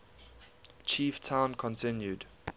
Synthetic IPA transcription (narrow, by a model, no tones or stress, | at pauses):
t͡ʃʰiːˑftʰãʊ̃nkʰɔ̃ntʰɪ̃njud